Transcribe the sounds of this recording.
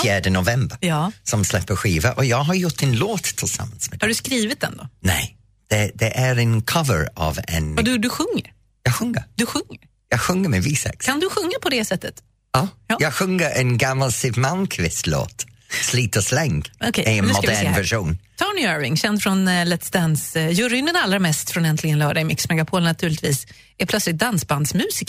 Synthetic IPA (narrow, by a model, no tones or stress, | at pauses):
fjæːɖənʊvɛmbəɾsɔmslɛpːəɧiːvaʔɔjɑːɡɦaɾjʊʈːd̪ɪnloːt̪ʰːɪlsa̰mːansmɛhaɖʉskɾiːvɪt̪̚d̪ɛ̰nd̪ɔ̰nɛ̰ɪ | d̪̥ɛd̪ɛʔæɾɛnkʰavə̰ɾa̰vɛ̰nd̪ɵɖɵɧɵŋːə̰ɾ | jɑːɡɧɵŋːə̰ɾd̪̥ɵɧɵŋːəɾ | jɑːɡɧɵŋːəmɛviːsɛ̰kkʰand̪ɵɧɵŋːapʰɔd̪ɛsɛt̪ːət̪ | ɔːjɑːjɑɡxɵŋəʔənɡamalsɪvmankʰvɪst̪lo̰ːt̪sliːt̪əslɛŋɡ̥ɔkʰɛɛənmɔad̪ɪɛnvɛʃuːnt̪ʰɔɳɪɛɹvɪŋɕɛnd̪fɾɔnlɛt̪sd̪ɛnsjɵɾʏŋd̪ɛnalːɾamɛst̪fɾɔnɛnt̪lɪɡənlœːɖaɪmɪksmɛɡapʰoːlnat̪ʰʉːɭɪt̪viːs | ɛpʰlœt̪slɪt̪̚d̪ansband̪smʉ̟ːsɪk